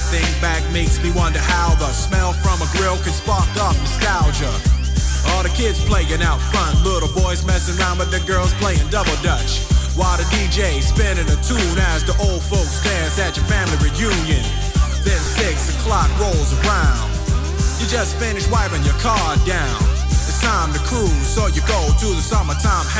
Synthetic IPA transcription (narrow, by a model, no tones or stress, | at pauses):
θɪ̃ŋbæk̚meɪksmiwʌ̃ntɨhaʊðəsmɛlˠfɹʌ̃məɡɹɜ˞lˠkʰɨ̥̃spɑk̚tɔf̩skaʊd͡ʒə | ɔlˠðɨkʰɪdz̥pʰl̥eɪɡɨ̃naʊtfʌ̃nlɪɾl̩ˠbɔɪzmɛsɨ̃nɹãʊ̃nbɨt̪̚ðɨɡɜ˞lˠz̥pʰl̥eɪɪ̃ŋdʌbl̩ˠdʌt͡ʃ | waɪɨdid͡ʒeɪspɛ̃nɨ̃nɨtʰũnɨzðiʔoʊlˠd̥foʊkstæ̃nzɨt͡ʃə˞fæ̃mliɹɨjʉ̃njɨ̃n | ðɨ̃nsɪksɨkʰl̥ɑk̚ɹoʊlˠzə˞ãʊ̃nd̥ | jɨd͡ʒʌstfɪ̃nɨʃwaɪpɪ̃ŋjə˞kʰɑɹdãʊ̃ñ | ɨtstʰãɪ̃mtɨkʰulˠsoʊjɨɡoʊtuðəsʌmə˞tʰãɪ̃m